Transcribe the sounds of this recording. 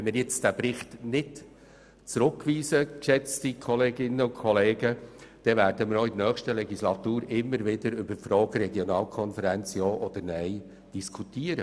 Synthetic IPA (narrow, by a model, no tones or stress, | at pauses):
ɛnmɪɾjɪt͡sd̥æbɾɪχt̪nɪd | t͡sɾʊkːʋiːsəkʃɛt͡stikʰɔleːɡɪnːəʊkʰχɔleːɡəd̥ɛvæːɾdəmɪɾoid̪nœːχʃtəlɛɡislɑt̪uːɾɪmːəɾʋɪd̪əɾʏbərfɾɔːɡ̥əɾɛɡjonɑːlkʰɔnfəɾænt͡sjɔːʔɔd̪̥əɾnɛj | d̥iskʰutiːəɾə